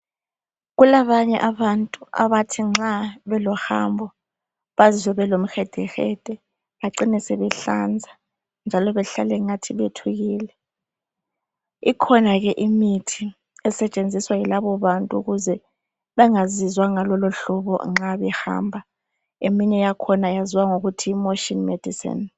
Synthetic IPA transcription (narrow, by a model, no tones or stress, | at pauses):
ɣulaβaɲɛʔaβantʼua̰βatʰiŋ͡ǁaβɛlɔha̰mbʱɔ | βazizɛβɛlom̩xɛd̥ʱɛxɛ̰d̥ʱɛ | βaǀinɛsɛβɛɬa̰nd͡zʱa | nd͡ʒʱalɔβɛɬalɛŋatʰiβetʰuɣiːlɛ | ikʰɔnaɣɛʔimitʰi | ɛsɛt͡ʃʼend͡zʱiswajilaβɔβantʼuuɣuzɛ | βɛŋazizwaŋalɔlɔɬɔβɔ̰ŋ͡ǁaβɛha̰ːmbʱa | emiɲɛjakʰɔnajaziwaŋoɣutʰiːmoʃinmed̥ʱisḭn